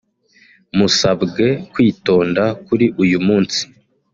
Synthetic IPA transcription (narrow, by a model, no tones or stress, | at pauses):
musabɡe̞kwiːto̞ːndakuɾiʔujumuːnsi̥